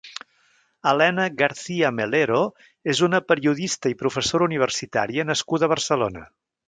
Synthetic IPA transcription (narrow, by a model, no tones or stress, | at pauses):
əlɛnəɣəɾθiəmeleɾo | ezunəpəɾiuðist̪əipɾufəsoɾəuniβ̞ərsit̪aɾiənəskuðəβ̞ərsəlonə